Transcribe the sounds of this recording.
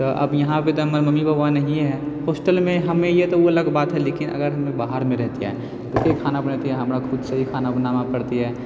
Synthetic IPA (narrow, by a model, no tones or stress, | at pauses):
t̪ɔʔɐ̰bjɐɦãpet̪oɦməɾməmːibʱəbwanəɦĩɦɛhoːsʈəlmẽɦɐmẽjet̪ooɐləɡbaːt̪ɦɛleːkɪnə̰ɡəɾɦɐmẽbaɦəɾmẽɾɛɦt̪iɦɛ̰ | t̪okekʰaːnabənat̪iɦɛɦɐmɾakʰʊd̪səɦikʰaːnabənamapəɾt̪iɦɛː